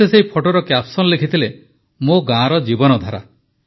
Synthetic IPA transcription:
eseipʰoʈoɾɔkjapsɔnɔlekʰit̪ʰile | moɡãɾɔd͡ʒibɔnɔd̪ʱaɾa̰

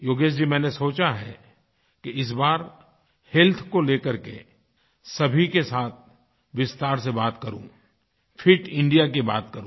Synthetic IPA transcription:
joːɡeːʃd͡ʒimɛ̃ːnesoːt͡ʃaɦɛ | keɪs̬baːɾ | hɛlt̪ʰkoleːkəɾkḛ | sɐbʱikesaːt̪̚ʰ | ʋɪst̪aːɾs̬ebaːt̪kɐɾṵ̃ | fʰɪʈɪ̃ɳɖijak̬ibaːt̪kɐɾũ

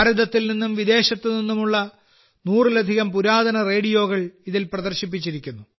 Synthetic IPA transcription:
ɾid̪ɐt̪ːilninːumʋid̪e̞ːɕɐt̪ːeninːumuɭːɐ | nuːrilɐd̪ʱiɣɐmpuɾaːd̪ɐnɐre̞ːɽijo̞ːɣɐɭiðilprɐðɐrɕip̬ːit͡ɕːiɾikʲːunːu

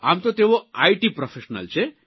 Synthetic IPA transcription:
a̰ːmt̪ot̪eʋoaiʈipɾɔfʰeʃnə̰lt͡ʃʰe

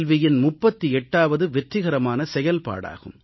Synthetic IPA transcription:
lʋɪjɪnmʊpːɐt̪ːiɛʈːaːʋɐðɯʋɛʈrɪɣɐɾɐmaːnɐsɛjɐlpa̰ːɽa̰ːɣɯm

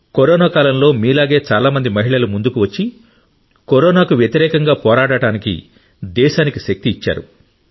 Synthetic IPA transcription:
koɾɔːnaːkaːlɐmlo̞ːmiːlaːɡeːt͡ʃaːlaːmɐnd̪imɐɦiɭɐlumund̪ukuʋɐt͡ʃːi | koɾɔːnaːkuʋjɐt̪iɾɛːkɐŋɡaːpɔːɾaːɽɐʈaːnikḭ | d̪ɛːʃaːnikiʃɐk̚t̪iːt͡ʃːa̰ːɾṵ

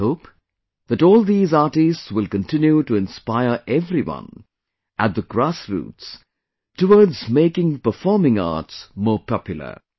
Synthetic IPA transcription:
hoʊp | ðæʈɔːlˠðiːzɑːʈistswɪlkə̃ntʰɪ̃njuʈuɪ̃nspaɪəɹʔɛvɾiwʌ̰̃n | ʔæt̪̚ðəɡɾasɹṵːts | təwɔːdzmeɪkɪ̃ŋpəfɔːmɪ̃ŋɑ̰ːtsmɔːɹpɑpjʊl̩ə̰˞

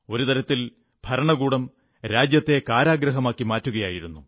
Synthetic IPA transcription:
o̞ɾut̪ɐɾɐt̪ːil | bʱɐɾɐɳɐɣuːɽɐm | ɾaːd͡ʑjɐt̪ːe̞kaːɾaːɡɾɐɦɐmaːkːimaːtːuɣɐjaːjiɾunːu

